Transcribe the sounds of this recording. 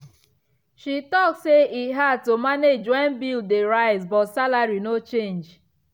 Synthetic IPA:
ʃitɔksseʔiɦatomaned͡ʒwɛnbildeɾaɪzbɔtsalaɾinot͡ʃẽnd͡ʒ

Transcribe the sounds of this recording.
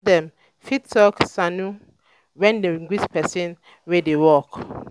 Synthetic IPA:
dɛ̃m | fittɔksanu | wɛ̃ndeiŋɡwispɛsĩn | wedewɔk

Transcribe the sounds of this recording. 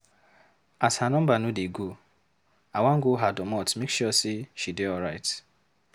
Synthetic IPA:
ashanɔm̩banudiɡu | awʷaŋ̩ɡʊɦadɔmɔtmekʃɔsiʃidɪɔɾaɪt

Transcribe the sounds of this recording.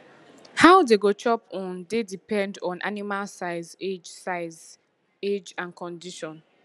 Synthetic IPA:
haʊdeɡot͡ʃɔpɔ̃ndedipɛ̃ndɔ̃nʔa̰nimalsaɪzed͡ʒsaɪz | ed͡ʒãnkʰɔ̃ndiʃɔ̃n

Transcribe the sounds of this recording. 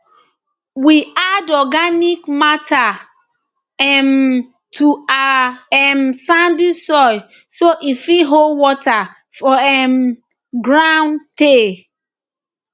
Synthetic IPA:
wiadɔɡanikmatʰa | ɛm | tʰuaɛmsãndisɔj | soʔifiɦolwɔta | fɔɛm | ɡɹãwnte

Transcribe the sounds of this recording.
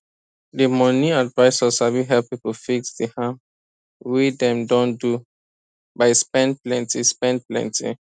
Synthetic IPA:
dimɔniadvaɪsəsawiɦɛlpipɔfiksdihã | widɛ̃mdɔ̃ndu | baɪspɛ̃ndplɛ̃ntispɛ̃nd̚plɛ̰̃ntʰḭ

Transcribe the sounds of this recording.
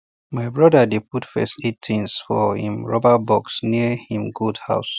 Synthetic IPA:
maɪbɹɔdədepʰutfɛ̰sitʰĩnsfɔ̰hḭ̃mɹɔbəbɔksniəhĩmɡudha̰ʊs

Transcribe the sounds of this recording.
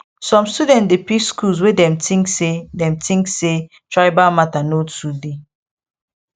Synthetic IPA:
sɔ̃mstudɛ̃ntdepikskuls̬wedɛ̃mtʰĩŋksedɛ̃mtʰĩŋkse | tʰɹaɪbamatanotude

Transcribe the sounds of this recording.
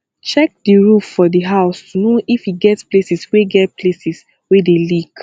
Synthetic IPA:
t͡ʃɛk̚diɹuffɔdiɦaʊstʰunoʔifiɡɛtsplesisweɡɛt̚plesis | wedelik

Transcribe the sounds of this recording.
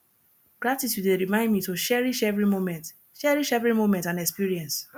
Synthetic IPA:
ɡ̥ɹatitʰjudeɹimãɪ̃ndmitoʃɛɹiʃɛvɹimomɛ̃nt | ʃɛɹiʃɛvɹimomɛ̃ntãnɛkspiɹiɛ̃ns

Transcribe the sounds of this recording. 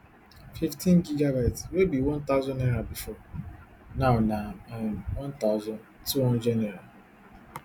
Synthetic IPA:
fiftʰĩnd͡ʒiɡabaɪtswebiwɔ̃nt̪aʊzɔ̃nɛɾabifɔ | naʊnawɔ̃ntaʊzɔ̃ntuwɔ̃nd͡ʒɛnɛɾa

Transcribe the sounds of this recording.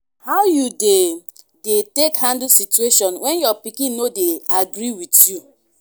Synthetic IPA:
haʊjude | detekhãndl̩situeʃɔ̃nwɛ̃njɔpikĩnːodeaɡɾiwitju

